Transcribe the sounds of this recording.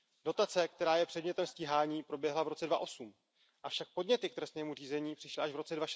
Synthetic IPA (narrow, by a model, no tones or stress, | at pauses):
do̞t̪at͡sɛkt̪ɛɾaːjɛpr̝̥ɛdɲɛt̪ɛmsciːɦaːɲiːpɾo̞bjɛɦlavɾo̞t͡sɛdvaʔo̞sum | ʔafʃak̚po̞dɲɛt̪ɪk̚t̪ɾɛst̪nɛːmuriːzɛɲiːpr̥ɪʃlɪʔaʒvɾo̞t͡sɛdvaʃ